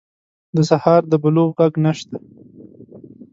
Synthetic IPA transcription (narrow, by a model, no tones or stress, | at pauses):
d̪əsahɑɾd̪əbʊloɣɣaɡnaʃt̪a